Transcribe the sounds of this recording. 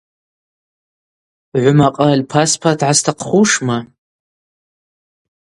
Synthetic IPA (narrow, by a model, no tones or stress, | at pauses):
ʕʷʊmaqʼalʲpʰaspʰartʰʕastʰaqʰχuʂma